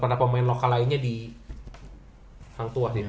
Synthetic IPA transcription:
padapəmaɪnlokalainɲadi | haŋt̪ua

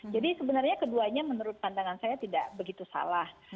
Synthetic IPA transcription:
d͡ʒadisəbənarɲakəduaɲamənuɾʊt̪̚pandaŋansajat̪idaʔbəɡit̪usa̰lah

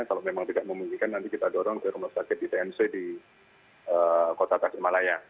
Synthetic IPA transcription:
kalomemaŋt̪idak̚məmuŋɡikanːant̪ikit̪adoɾɔŋtaɛɾumahsakɪt̪̚dit̪eɛmsedi | ʔəkot̪at̪afɪrmalaja

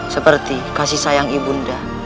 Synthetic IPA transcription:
səpərt̪ikasihsajaŋibunda

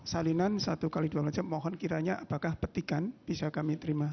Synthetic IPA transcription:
salinansat̪ukaliduamlad͡ʒamːɔɦɔnkiɾaɲaʔapakahpət̪ikanb̥isakamit̪əɾima

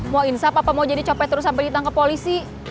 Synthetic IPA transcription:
muainsapapamawd͡ʒadit͡ʃopɛt̪əɾʊs̬ampɛjdit̪aŋkəpolisi

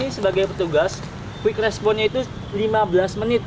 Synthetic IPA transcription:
isəbaɡajpərt̪uɡas | kwɪkrɛspɔnɲait̪u | limabəlasmənɪt̪̚

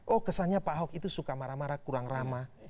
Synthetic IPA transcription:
ʔɔhkəsanɲapaɦɔkit̪usukamaɾamaɾakuɾaŋrama

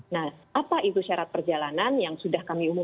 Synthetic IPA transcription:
nahʔapaʔit̪uʃaɾat̪̚pərd͡ʒalananjaŋsudahkamiumu

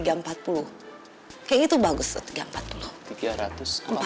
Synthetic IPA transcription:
iɡaəmpat̪̚pulʊh | kajait̪ubaɡʊsə̰t̪iɡaəmpat̪̚pulʊht̪iɡaɾat̪ʊsəmpa

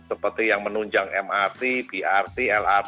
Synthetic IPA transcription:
səpərt̪ijaŋmənuɲd͡ʒaŋʔɛmart̪ib̥iʔart̪iɛlar

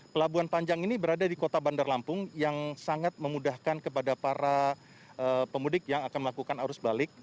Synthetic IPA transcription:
pəlabuanpaɲd͡ʒaŋinibəɾadadikot̪abandarlampʊŋjaŋsaŋat̪̚məmudahkankəpadapaɾa | əpəmudɪk̚jaŋakanməlakukanaɾʊsbalɪk̚

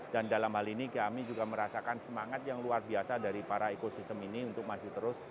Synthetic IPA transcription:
d̥andalamhalinikiamid͡ʒuɡaməɾasakansəmaŋat̪̚jaŋluarbiasadaɾipaɾaekosist̪əminiunt̪ʊk̚mad͡ʒut̪əɾʊs

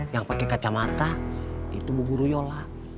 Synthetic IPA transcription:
jaŋpakɛkat͡ʃamat̪ait̪ubuɡuɾujola

